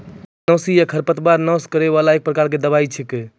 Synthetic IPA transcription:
nəsijakʰəɾpət̪baɾnəskəɾeβalaek̚pɾəkaɾked̪əβait͡ʃʰike

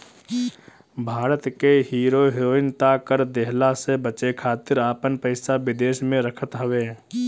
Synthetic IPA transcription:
bʱaːɾət̪keɦiːɾoɦeɾoːɪnt̪akəɾd̪eɦlasebət͡ʃekʰaːt̪ɪɾaːpənpəɪsaʋɪd̪eːʃmẽɾəkʰət̪ɦəʋeː

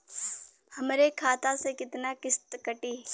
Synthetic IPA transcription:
hɐmɾekʰaːt̪asekɪt̪nakɪst̪kɐʈiː

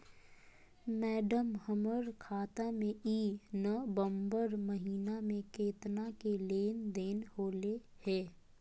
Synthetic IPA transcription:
mɛːɖəmhəməɾkʰaːt̪amẽiːnəbəmbəɾməɦiːnamẽkeːt̪nakeleːnd̪eːnhoːlehɛː

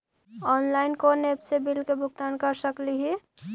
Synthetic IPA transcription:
ɔːnlaɪnkonepsebilkebʱʊɡ̚t̪ankəɾsəkliɦi

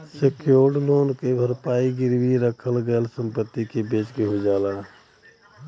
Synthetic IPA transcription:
sekjoːɖloːnkebʱəɾpaːiɡɪɾwiɾəkʰəlɡəlsə̃mpət̪ːikebeːt͡ʃɡeɦod͡ʒaːlaː

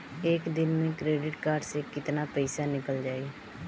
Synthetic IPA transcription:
eːkd̪ɪnmẽkɾeːɖɪʈkaːɾɖsekɪt̪napɛɪsanɪkəld͡ʒaːi

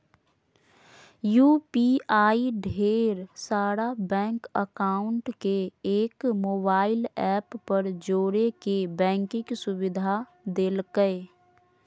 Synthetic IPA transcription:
juːpiaːiɖʱeːɾsaːɾabɛ̃ːŋkəkaːʊɳʈkeeːkmoːbaːɪlɛːpːəɾd͡ʒoːɾekebɛ̃ːŋkɪksʊwɪd̪ʱa | d̪eːlkəe

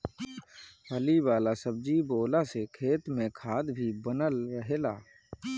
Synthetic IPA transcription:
ɦəliwaːlasəb̚d͡ʒiboːlasekʰeːt̪mẽkʰaːd̪bʱibənəlɾəɦeːlaː

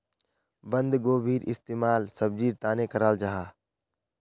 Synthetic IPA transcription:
bə̃nd̪ɡoːbʱiːɾɪst̪eːmaːlsəb̚d͡ʒiːɾt̪aːneːkəɾaːld͡ʒaːɦaː

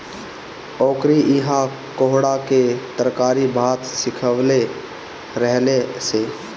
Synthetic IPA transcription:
ɔːkɾiʔɪɦa | koɦɽaket̪əɾkaːɾibʱaːt̪sɪkʰəʋle | ɾəɦleseː

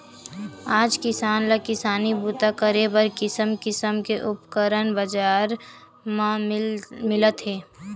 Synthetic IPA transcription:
aːd͡ʒkɪsaːnlakɪsaːnibut̪akəɾebəɾkɪsəmkɪsəmkeʔʊpkəɾənbəd͡ʒaːɾ | mã | mɪlət̪ɦɛː

